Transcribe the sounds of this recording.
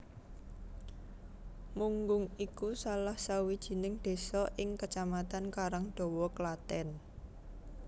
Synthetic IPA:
muŋɡʊŋikusalahsawid̥ʒ̥i̤nɪŋd̪̥e̤sɔʔɪŋkət͡ʃamat̪ankaɾaŋɖ̪̥ɔ̤wɔklat̪ɛn

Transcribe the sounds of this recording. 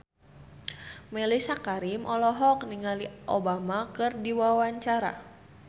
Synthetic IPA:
mɛlisakaɾimʔɔlɔɦɔkniŋaliʔobamakɨrdiwawaɲt͡ʃaɾa̰

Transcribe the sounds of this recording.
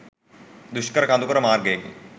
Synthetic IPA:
d̪uʃkɐɾɐkand̪ukɐɾɐmaːɾɡeeɡḭ

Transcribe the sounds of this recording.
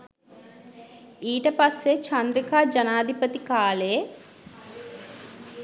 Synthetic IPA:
iːʈɐpɐsːet͡ʃɐnd̪ɾikaːd͡ʒɐnaːd̪ʱipɐt̪ikaːleː

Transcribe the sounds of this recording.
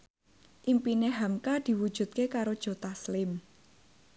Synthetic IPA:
ʔimpineɦamkad̪̥i̤wud̥ʒ̥ṳt̪̚kekaɾod̥ʒ̥o̤t̪aslɪm

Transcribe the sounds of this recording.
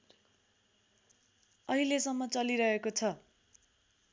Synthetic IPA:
ʌɦilesʌmːʌt͡sʌliɾʌɦekot͡sʰʌ

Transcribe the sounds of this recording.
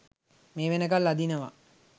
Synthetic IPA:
meːʋenəkalːad̪inəʋa̰

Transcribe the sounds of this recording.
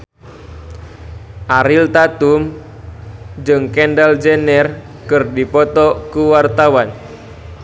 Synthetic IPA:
ʔaɾilt̪at̪um | d͡ʒɨŋkɛndald͡ʒenɛr | kɨrdipɔt̪ɔkuwart̪awan

